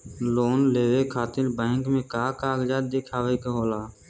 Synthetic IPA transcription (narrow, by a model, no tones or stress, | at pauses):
loːnleːʋeːkʰaːt̪ɪɾbɛ̃ːŋkmẽːkaːkaːɡd͡ʒaːd̪̚d̪eːkʰaːʋeːkɦoːlaː